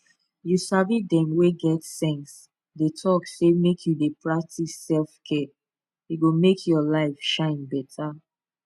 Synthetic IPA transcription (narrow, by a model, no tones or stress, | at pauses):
jusavidɛ̃mweɡɛtsɛ̃ns | detʰɔksemekʰjudepʰɹak̚tʰisɛlfkʰɛ | eɡomekʰjɔlaɪfʃãɪ̃nbɛtʰa